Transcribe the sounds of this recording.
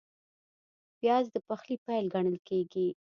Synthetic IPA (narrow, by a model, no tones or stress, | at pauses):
bjɑzd̪əpaxlipajlɡaɳəlkeɡi